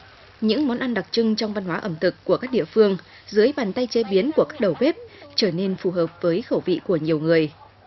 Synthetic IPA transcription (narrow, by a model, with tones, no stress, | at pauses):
ɲɨ̰˧˥ŋmɔ˨˦nʔa˧nɗa˨˩k̚t͡ɕɨ˧ŋt͡ɕɔ˧wŋ͡mva˧nɦwaː˨˦ʔə˧˩mt̪ʰɨ˨˩kkːu˧˩əkaː˦˥k̚ḭ˧˨əfɨ˧əŋ | zɨ˨˦əjɓaː˨˩nt̪a˧jt͡ɕe˧ɓi˨˦ənku˧˩əkaː˦˥k̚ɗə˨˩wɓe˦˥p̚t͡ɕəː˧˩ne˧nfu˨˩ɦəː˨˩p̚vəː˨˦jxə˧˩wvḭ˧˨ku˧˩əɲi˨˩əwŋɨ˨˩əj